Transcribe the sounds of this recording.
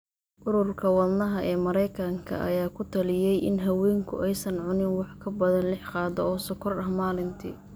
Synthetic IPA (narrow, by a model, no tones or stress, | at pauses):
ʔʊɾʊrkʰɐwɐlnɐɦɐʔɛːmɐɾɛjkʰɐŋkʰɐ̰ʔɐ̰jaːkʰʊt̪ʰɐlɪjɛjʔɪ̰nɦɐwɛːŋkʰʊ̰ʔɛjsɐnʕʊnɪnwɑħkʰɐbɐðɐnlɪħqɑːd̪ɔɔːsɔkʰɔrɐhmaːlɪnt̪ʰḭː